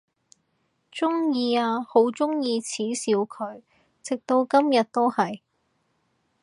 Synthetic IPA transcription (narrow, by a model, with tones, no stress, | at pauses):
t͡sʊ˥ŋjiː˧aː˧ho˨˥wt͡sʊ˥ŋjiː˧t͡sʰiː˨˥siː˨˧wkʰɵ˨˧ɥ | t͡sɪ˨k̚t̪o˧wkɐ˥mjɐ˨t̚t̪ːo˥whɐ˨j